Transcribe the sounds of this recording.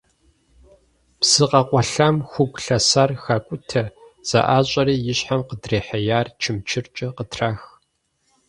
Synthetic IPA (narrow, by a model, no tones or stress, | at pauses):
psɨqɐqʷʼɔɬamxʷʊɡʷʼɬɐsarxaːkʷʼʊtʰɐz̥ɐ̰ʔaːɕʼɐriːjɪɕħamqədreːħɐjaːrt͡ʃʰɪmt͡ʃʰɪrt͡ʃʼɐqətʰraːx